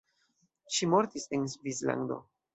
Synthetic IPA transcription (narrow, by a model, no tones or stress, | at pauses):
ʃimo̞ɾtisensvisla̰nd̪o̞̰